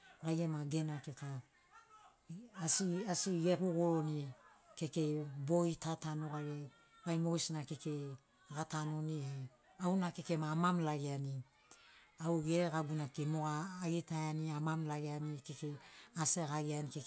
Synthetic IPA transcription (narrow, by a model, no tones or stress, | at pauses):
ɡajɡemaɡe̞nakeka | siasiɡe̞kuɡoɾonike̞ke̞boitatanoɡaɡe | bajmoɡisnakeke | ɡatanonihe | awnakekemaːmamlaɡeani | awɡeɡaɡunakemoɡaːɡitajaniamamlaɡeanikekeaseɣaɡianikek